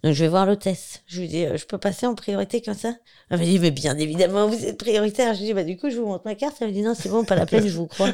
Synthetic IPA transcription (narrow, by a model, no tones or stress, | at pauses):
d̪ɔ̃kʒəvɛvwaʁlot̪ɛst̪ʒəvud̪iø̰ʒəpøpaseɑ̃pχijɔʁit̪ekɔmsa | aməd̪imɛbjɛ̃nevid̪amɑ̃vuzɛt̪̚pχijɔʁit̪ɛʁʒəvud̪ibad̪ykuʒəvumɔ̃t̪makaʁt̪aməd̪inɔ̃sɛbɔ̃pala̰pɛnʒəvukχwa